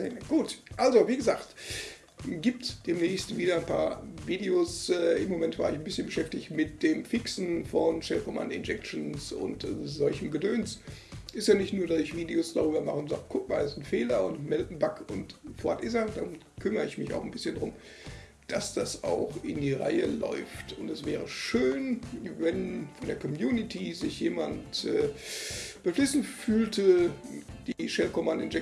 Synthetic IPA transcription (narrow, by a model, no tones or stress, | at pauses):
ɡ̥uːtʔalzoviːɡəzaːχt | ɡiːp̚td̥eːmnɛːçstv̥iːdɐaɪnpʰa̰ːɐviːdeoːsɛːʔɪmːomɛntv̥aːɐɪçn̩bɪsçənbəʃɛftɪçtmɪt̚d̥eːmfɪksn̩fɔnʃɛlfɔma̰ndɪ̰nd͡ʒɛk̚t͡ʃnsʊ̰ntzɔlçəm̩ɡədøːnsʔɪstjaːnɪçtnuːɐdasɪçv̥iːdeosd̥aʁ̞yːbɐmaχəʊntz̥a̰ːɡəkʰʊk̚maːlɛsnfeːlɐʊntmɛltn̩bakʊntfɔɐtʔɪzad̥aʊm | kʰʏmɐəɪçmɪça̰ʊxn̩bɪsçəndʁʊm | d̥asd̥asa̰ʊxʔɪndiːʁa̰ɪə̰lɔ̰ʏftʰʊntɛsv̥ɛːʁ̞əʃøːnvɛnfɔndeːɐkʰɔmjuːnɪtʰizɪçjeːmantʔɛː | b̥əflɪsn̩fyːltʰə | d̥iːʃɛlkɔmandɪ̰nɛ